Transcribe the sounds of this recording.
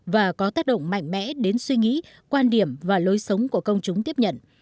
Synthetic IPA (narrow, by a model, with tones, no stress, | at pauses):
vaː˨˩kɔ˨˦t̪aː˦˥k̚ɗə̰˧˨wŋ͡mma̰˧˨jŋ̟mɛ̰˧˥ɗe˨˦nswi˧ŋḭ˧˥ | kwaː˧nɗi˧˩əmvaː˨˩lo˨˦jsə˨˦wŋ͡mku˧˩əkə˧wŋ͡mt͡ɕʊ˨˦ŋ͡mt̪i˦˥əp̚ɲə̰˧˨n